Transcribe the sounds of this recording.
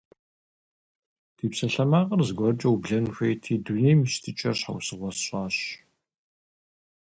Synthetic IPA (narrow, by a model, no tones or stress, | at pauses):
tʰiːpsɐɬɐmaːʁɐrzɨɡʷɔrt͡ʃʼɐwbɮɐnxʷejtʰiːduneːmɨɕtʰɨt͡ʃʼɐɕħa̰wsɨʁʷɔsɕʼɑːɕ